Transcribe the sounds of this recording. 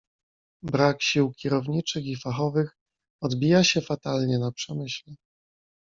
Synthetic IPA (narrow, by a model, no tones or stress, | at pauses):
bɾakɕiwkʲɛɾɔvɲit͡ʂɘxifaxɔvɘx | ɔd̪bʲijaɕɛfat̪alɲɛnapʂɛmɘɕlɛ